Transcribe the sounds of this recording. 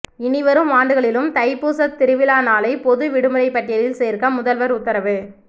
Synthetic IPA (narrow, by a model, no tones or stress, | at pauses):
ɪnɪʋɐɾɯmaːɳɖɯɣɐɭɪlɯmt̪ɐɪpːuːsɐt̪ːɪɾɯʋɪlaːnaːlɐɪpɔðɯʋɪɽɯmɯɾɐɪpːɐʈːɪjɐlɪlseːɾkɐmʊðɐlʋɐɾʊt̪ːɐɾɐʋɯ